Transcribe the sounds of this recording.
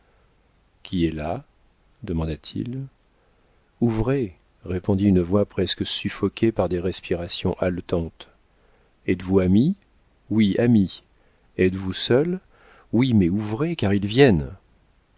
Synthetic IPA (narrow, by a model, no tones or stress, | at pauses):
kʲʰiɛla | d̪əmɑ̃d̪at̪ʰḭl | uvʁe | ʁepɔ̃d̪iynəvwapχɛskəsyfɔkʲʰepaʁd̪eʁɛspiʁasjɔ̃ʔalt̪ɑ̃t̪ | ɛt̪vuami | wiami | ɛt̪vusœl | wimɛuvʁekaʁilvjɛn